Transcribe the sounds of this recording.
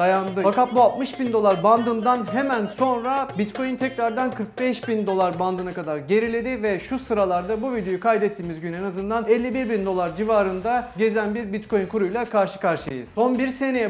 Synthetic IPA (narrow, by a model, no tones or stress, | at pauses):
ajand̪ɯfakat̪̚bualt̪mɯʃbind̪o̞lˠaɾband̪ɯnd̪anɦe̞mænso̞nɾabit̪kʰo̞jint̪ʰɛcɾaɾd̪ankʰɯɾk̚bɛʃbind̪o̞lˠaɾband̪ɯnakad̪aɾɟe̞ɾilʲe̞d̪ɪvɛʃusɯɾalˠaɾd̪abuvid̪e̞jyukʰajd̪ɛt̪ʰːiːmizɟynenazɯnd̪anɛlʲːibiɾbind̪o̞lˠaɾd͡ʒivaːɾɯnd̪aɟe̞zænbiɾbit̪kʰo̞jynkʰuɾujlˠakʰaɾʃɯ̥kʰaɾʃɯ̰ɯ̰z̥o̞nbiɾse̞nejɛ